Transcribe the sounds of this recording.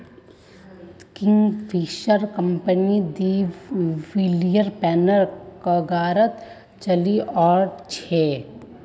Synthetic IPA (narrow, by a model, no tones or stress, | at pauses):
kɪ̃ŋɡfʰiːʃəɾkɐ̃mpənid̪iː | ʋilijəɾpɛːnəɾkəɡaːɾət̪ | t͡ʃɐliʔɔːɾɖt͡ʃʰɛː